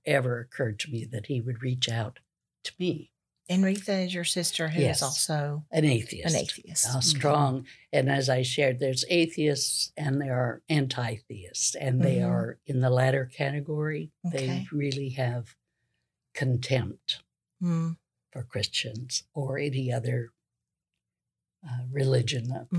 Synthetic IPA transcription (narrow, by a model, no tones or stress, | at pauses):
ɛvə˞ɨkʰɜ˞d̚tʰəmiðɨt̚hiwɨd̚ɹit͡ʃaʊtʰ | ə̥mi | ɨ̃nɹiθɨzjə˞sɪstə˞ɦjɛzɔlˠsoʊɨ̃neɪθḭɨ̰ɨ̃snɪtθiɨsstɹ̥ɔ̃ŋɨ̃nɨzaɪʃɛɹd̪̚ðə˞zeɪθiɨstsɨ̃nðeɪə˞æ̃ntʰaɪθiɨstsɨ̃nðeɪə˞ɨ̃nðəlæɾə˞kʰæɾɨɡɔɹiðeɪɹɪlˠiɨv̥ | kʰɨ̃ntʰɛ̃mp̚t | fə˞kʰɹ̥ɪst͡ʃɨ̃nz̥ə˞ɛniʌðə˞ | ɹɨlɪd͡ʒɨ̃n